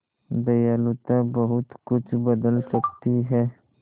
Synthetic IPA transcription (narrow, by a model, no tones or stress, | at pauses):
d̪ɐjaːlut̪ãbɐɦʊt̪kʊt͡ʃʰbɐd̪əlsɐkt̪iɦɛː